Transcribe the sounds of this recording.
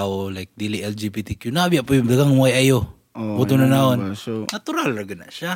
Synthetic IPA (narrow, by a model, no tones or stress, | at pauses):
aolajk̚d̪ilɪʔɛld͡ʒibit̪ikjʊnaabjaʔpʊjʊdaɡaŋwajajo | put̪ʊnanaonnat̪ʊɾalaɡana̰ʔʃa